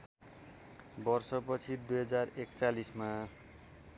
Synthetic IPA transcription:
bʌrsʌpʌt͡sʰid̪ujɦʌd͡zarekt͡salisma

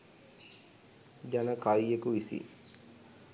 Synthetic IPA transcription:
d͡ʒanəkajːekuʋisḭ

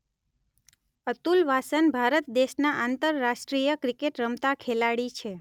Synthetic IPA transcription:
ət̪ulʋasənbʱaɾət̪̚d̪eʃnaʔãnt̪əɾːaʃʈɾijəkɾikeʈɾəmt̪akʰelaɽit͡ʃʰe

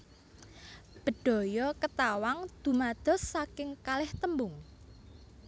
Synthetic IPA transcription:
b̥ə̤ɖ̪̥ɔ̤jɔkət̪awaŋd̪̥ṳmad̪̥ɔ̤sːakɪŋkalɛht̪əmbʊŋ

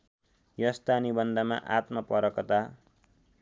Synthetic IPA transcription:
jʌst̪anibʌnd̪ama̰ʔat̪mʌpʌɾʌkʌt̪a

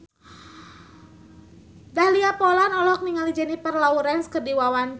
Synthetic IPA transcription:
dahliapɔlanɔlɔk̚niŋalid͡ʒənipərlauɾɛnskədiwawan

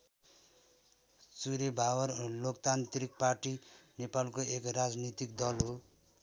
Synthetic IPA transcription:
suɾebʱawʌrlokt̪ant̪rik̚parʈinepalkoekrad͡znit̪ikd̪ʌlɦo

